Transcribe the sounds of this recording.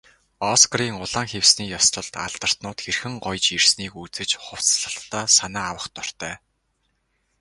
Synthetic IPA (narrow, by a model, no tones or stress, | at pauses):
ɔskriːŋʊɮaːŋxewsniːjɔst̪ɞ̆ɮt̪a̰ɮt̪ə̆r̥t̪nʊːt̪xerxɘ̆ŋɢɔjt͡ɕirsniːkut͡sɘ̆t͡ɕχʊw̥t͡sɮə̆ɬt̪ːɔːsanaæːawə̆χt̪ɔr̥t̪œː